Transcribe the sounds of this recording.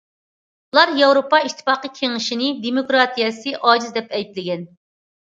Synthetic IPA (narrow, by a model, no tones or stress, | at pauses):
ulˠɑɾjɑwɾopɑiʃt̪ʰːɪ̥fɑːqəkʲʰeŋɪʃinɪd̪emokɾɑt̪ʰijɛsɨʔɑːd͡ʒizd̪ɛpɛjp̪lɪɡʲɛn